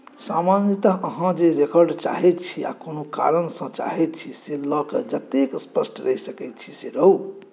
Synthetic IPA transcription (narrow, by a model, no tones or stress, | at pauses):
samanit̪aʔəɦãd͡ʒeɾekɔɾɖt͡ʃa̰ɦɛt̪t͡ʃʰia̰konoka̰ɾənsə̃t͡ʃa̰ɦɛt̪̚t͡ʃʰiselɔked͡ʒət̪ekspəsʈɾəɦisəkɛt̪̚t͡ʃʰi̥seɾəɦu